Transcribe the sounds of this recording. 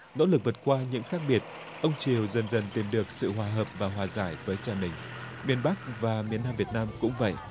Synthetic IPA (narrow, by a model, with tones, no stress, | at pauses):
no̰˧˥lɨ˨˩k̚və˨˩t̚kwaː˧ɲɨ̰˧˥ŋxaː˦˥k̚ɓi˨˩ət̚ | ʔə˧wŋ͡mt͡ɕi˨˩əwzə˨˩nzə˨˩nt̪i˨˩mɗɨ˨˩ək̚sɨ̰˧˨ɦwaː˨˩ɦəː˨˩p̚vaː˨˩ɦwaː˨˩zaː˧˩jvəː˨˦jt͡ɕaː˨˩nï˨˩ŋ̟ | mi˧ənɓa˦˥k̚vaː˨˩mi˧˩ənːaː˧mvi˨˩ət̚naː˧mkʊ̰˧˥ŋ͡mvə̰˧˨jʔ